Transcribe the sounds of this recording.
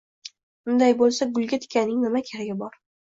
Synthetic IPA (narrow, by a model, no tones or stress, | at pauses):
bʊnd̪ajbolˠsaɡʊlˠɡʲat̪ʰɪ̥kʲanːɪŋnɪmakʲʰeɾaɡʲɪbɒɾ